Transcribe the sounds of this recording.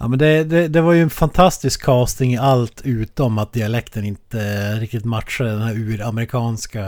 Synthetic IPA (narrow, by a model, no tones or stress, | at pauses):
ja̰ːmɛnd̪ɛd̪ɛd̪ɛvaɾjɵɛnfant̪ʰast̪ɪskʰːɑːst̪nɪŋɪalt̪ʰʉ̟ːt̪ɔmat̪̚d̪ɪalɛkt̪ənɪnt̪əɾɪk̚t̪ɪt̪mat̪ʂad̪əd̪ɛnhæːɾʉːɾamɛɾɪkʰɑːnska